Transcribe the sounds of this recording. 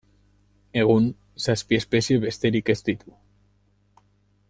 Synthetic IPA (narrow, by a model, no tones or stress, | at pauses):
e̞ɣ̞un | saspie̞spe̞sie̞βe̞st̪e̞ɾike̞st̪it̪u